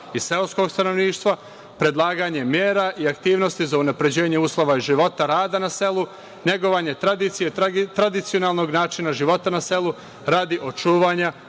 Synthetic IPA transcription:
ise̞lsko̞ɡst̪ano̞ʋniːʃt̪ʋa | pɾe̞d̪lˠaːɡaɲe̞mjeːɾaʔiakt̪iːʋno̞st̪izaunapɾe̞d͡ʑe̞ːɲe̞uːslˠo̞ʋaiʒiʋo̞t̪aɾaːd̪anase̞lˠu | ɲe̞ɡo̞ʋaːɲe̞t̪ɾad̪it̪sijet̪ɾad̪it̪sio̞naːlˠno̞ɡnaːt͡ʃinaʒiʋo̞t̪anase̞lu | ɾaːd̪iʔot͡ʃuːʋaɲa

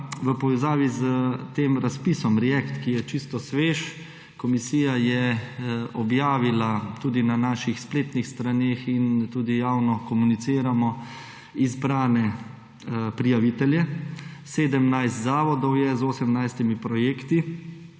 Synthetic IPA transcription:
ʋəpɔʋɛzaːʋizət̪eːmɾaspisɔmɾɛjɛkt̪kijɛt͡ʃist̪ɔsʋeːʃ | kɔmisiːjajɛ | ɔbjaːʋilat̪uːd̪inanaːʃixspleːt̪nixst̪ɾanexint̪uːd̪ijaːwnɔkɔmunit̪siːɾamɔ | izbɾaːnɛ | pɾijaʋit̪ɛljɛseːd̪əmnajst̪zaːʋɔd̪ɔwjɛzoːsɛmnajst̪imipɾɔjeːkt̪i

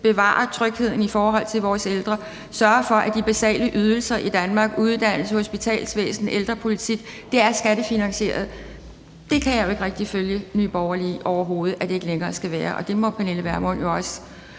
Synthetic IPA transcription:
b̥e̝ʋɑ̰̈ːɐt͡sʰʁœɡ̥he̝ð̞̰ˠn̩ifɒːɦɒ̽l̰t͡sʰe̝lʋɒːseld̥ʁɐ | sɶɐfɒ̽ʔæd̥ib̥æsɛ̰ːləʔyð̞ˠl̩sɐʔid̥ænmɑ̈ːɡ̥uð̞ˠd̥æn̰l̩sho̝sb̥it͡sʰɛ̰ːlsʋḛːsn̩ʔeld̥ʁɐpʰo̝lit͡sʰiɡ̥d̥eæɐsɡ̥æɾ̥əfinæŋɕe̝̰ːɐð̞̩ˠ | d̥e̝kʰæjɑ̈joe̝ɡ̥ʁɛɡ̥̚d̥iføljənyːb̥ɒʊɐliːʔɒʊɐɦo̝ːð̞̩ˠæd̥e̝e̝ɡ̥əleŋɐːsɡ̥æʋæːɐʔɒ̽d̥e̝mɔ̽pʰæne̝ːləʋæɐmɔ̽n̰jo̝ɒ̽s

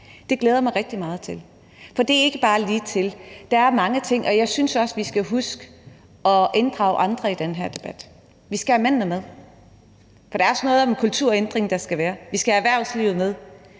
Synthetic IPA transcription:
d̥e̝ɡ̥leːð̞ˠɐmɑ̈ɪʁɛɡ̥̚d̥imɑ̈ːð̞̩ˠt͡sʰe̝l | fɒ̽d̥e̝æɐe̝ɡ̥əb̥ɑ̈ːliːt͡sʰe̝ld̥ɑ̈æɐmɑ̈ŋət͡sʰe̝ŋ̰ʔɒ̽jɑ̈ɪsynsɒ̽sʋisɡ̥æɦusɡ̥ə | ɒ̽ʔe̝nd̥ʁɑ̈ʊʔɑ̈nd̥ʁɐid̥enɦæɐ̰d̥e̝b̥æd̥ | ʋisɡ̥æhæmæn̰nəmeðˠ | fɒ̽d̥ɑ̈ɐɒsnɔ̽ːð̩ˠɒ̽menkʰult͡sʰuɐ̰end̥ʁeŋd̥ɑ̈sɡ̥æʋæːɐʋisɡ̥æhææʋæɐsliʊð̩ˠmeð̞ˠ

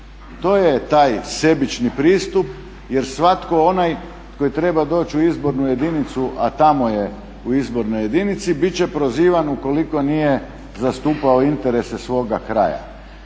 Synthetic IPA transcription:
t̪o̞ːjet̪aːjse̞bit͡ʃnipɾiːst̪up | je̞ɾsʋat̪ko̞o̞naj | ko̞jit̪ɾe̞bad̪o̞ːt͡ɕuizbo̞ɾnuje̞d̪init̪suʔat̪amo̞je | uizbo̞ɾnoje̞d̪init̪sibit͡ɕe̞pɾoziːʋanuko̞liko̞nije | zast̪uːpaoint̪eɾe̞sesʋo̞ːɡakɾa̰ja̰

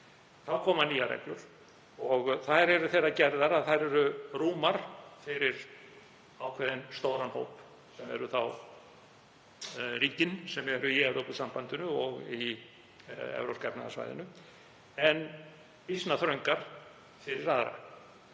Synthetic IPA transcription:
θawkʰɔːmaniːa̰ɾɛ̰klʏɾ̥ | ɔɣθaɾɛɾʏθeːrːacɛɾðaɾaðθaɾɛɾʏruːmaɾ̥fɪɾɪɾ̥ | aːwkʰvɛːðɪnst̪oːwɾanho̰ːwp | sɛmɛ̰ɾʏθaw | riːcɪnsɛmɛɾʏiɛvɾowkʏsampant̪ʏnʏɔɣi | ɛ̰vɾo̰pskapna̰ða̰sva̰jðɪ̰nʏ | ɛn | pisnaθɾœɥŋkaɾ̥ | fɪɾɪɾaðɾa̰

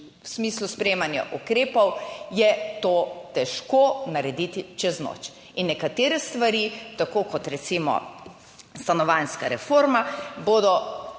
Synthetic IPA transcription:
wsmiːsluspɾɛjeːmanja̰ʔukɾeːpɔwjɛt̪oːt̪ɛʃkoːnaɾɛd̪it̪it͡ʃɛzno̰t͡ʃ | inːɛkat̪eːɾɛst̪ʋaɾiːt̪akoːkɔt̪ɾɛsimɔ̰ | st̪anɔʋanskaɾɛfoːɾmaboːd̪ɔ

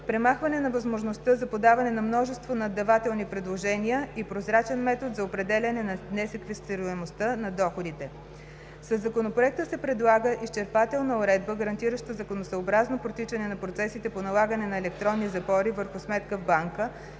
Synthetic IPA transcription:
pɾɛmaxvɐnɛnɐvɐzmoʒnost̪əzɐpod̪avɐnɛnɐmnɔʒɛst̪vonɐd̪ːɐvat̪ɛlˠnipɾɛd̪lˠoʒɛniəipɾozɾat͡ʃɛnmɛt̪ot̪zɐopɾɛd̪ɛlʲɐnɛnɐnɛsɛkvɛst̪iɾʊɛmost̪ənɐd̪ɔxod̪it̪ɛ | səzːɐkonopɾoɛk̚t̪əsɛpɾɛd̪lˠaɡəʔist͡ʃɛɾpat̪ɛlˠnəʊɾɛd̪̚bəɡəɾɐnt̪iɾəʃt̪əzɐkonosəobɾaznopɾot̪it͡ʃɐnɛnɐpɾot̪sɛsit̪ɛponɐlˠaɡənɛnɐɛlɛkt̪ɾɔnːizɐpɔɾivəɾxʊsmɛt̪kəvbaŋkə

